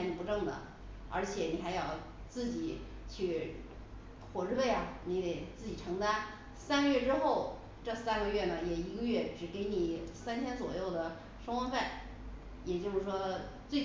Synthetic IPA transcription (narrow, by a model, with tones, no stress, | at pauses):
ni˧˩pu˧˥ʈ͡ʂɤ˥˩ŋd̪ə̰˩ | ə̰˧˥t͡ɕʰjɛ˨˧˥ni˨˩xa˧˥ɪjɑ˥˩ʊ | t͡sɹ̩˥˩t͡ɕi˨˩˦ | t͡ɕʰy˥˩ | xwɔ˨˩ʈ͡ʂɻ̩˥˧pe˥˩ɪɐ˨˩ni˧˥d̪e˨˩ɪt͡sɹ̩˥˩t͡ɕi˨˩ʈ͡ʂʰɤ˧˥ŋt̪a˥n | sa˥nɡə˧ɥɛ˥˧ʈ͡ʂɻ̩˥xo˥˩ʊ | ʈ͡ʂɤ˥˧sa˥nɡə˧ɥɛ˥˩nə˩jɛ˨˩i˧˥ɡə˧ɥɛ˥˩ʈ͡ʂɻ̩˨˩ke˧˥ɪni˨˩sa˥nt̪ʰjɛ˥nt͡swɔ̰˨˩jo˥˩ʊd̪ə˩ | ʂə˥ŋwə˥nfa˥˩ɪ | jɛ˨˩t͡ɕjo˥˧ʊʂɻ̩˥˩ʂwɔ˥ | t͡swe˥˩ɪ